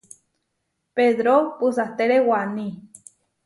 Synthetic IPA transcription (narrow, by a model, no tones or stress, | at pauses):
peðɾopusat̪eɾewanĩ